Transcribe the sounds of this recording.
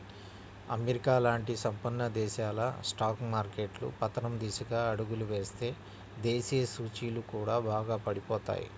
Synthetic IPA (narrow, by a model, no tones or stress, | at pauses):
ɐ̰meɾikaːlaːɳʈisɐmpɐnːɐd̪ɛːʃaːlɐsʈaːkmaːɾke̞ːʈlṵpɐt̪ːɐnɐmd̪iːsɐɡaːɐɽuɡuluʋe̞ːst̪e̞ː | d̪eːsiːjɐsuːt͡ʃiːlukuːɽaːbaːɡaːpɐɽipɔːt̪a̰ːjḭ